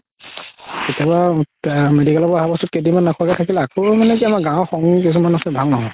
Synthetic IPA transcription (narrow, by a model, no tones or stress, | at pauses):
ketaba | medikalɔbɔaɦabɔsut̚kedimanːakʰɔakatʰakilɛakʰɔmanɛkiamaɡãxɔŋkis̬umanasɛbʱaŋnɔɦɔ